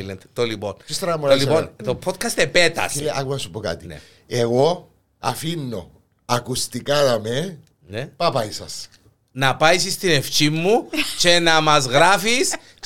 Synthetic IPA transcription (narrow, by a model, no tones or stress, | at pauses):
lent̪t̪oliponsist̪oɾɐmoliont̪opʰot̪̚kʰɐst̪epet̪ɐ̰sea̰konɐsupoka̰t̪inḛ | eɣo | ɐ̰finːo̰ | ɐkust̪ikanɐme | nepapaisɐ̰s | nɐpɐjsist̪ineft͡ʃimːut͡ʃenɐmɐzɣɾafis | t͡ʃ